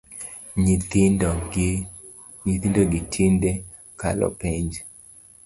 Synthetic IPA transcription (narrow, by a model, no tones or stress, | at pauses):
ɲit̪indoɡɪtʰinde | ka̰lɔ̰piɲd͡ʒ